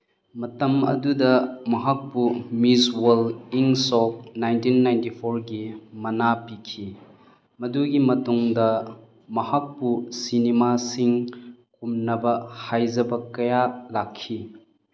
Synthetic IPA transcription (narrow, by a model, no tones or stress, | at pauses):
mɐtɐmɐ̰dudɐmɐɦak̚pumiswoliŋsɔk̚najntinːajntipʰoɾɡimɐnapikʰi | mɐduɡimɐtuŋdɐ | mɐhak̚pusinemasiŋkumnɐbɐhajzɐbɐkɐjalakʰːi